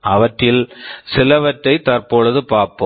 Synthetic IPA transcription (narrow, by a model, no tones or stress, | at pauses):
ɐʋɐʈːɪlsɪlɐʋɐʈːɐɪt̪ɐɾpoːɭɐðɯpaːɾpo̰